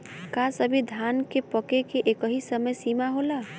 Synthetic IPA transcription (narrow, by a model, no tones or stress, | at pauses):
kasəbʱid̪ʱankepəkekeʔekəɦisəməjsimaɦola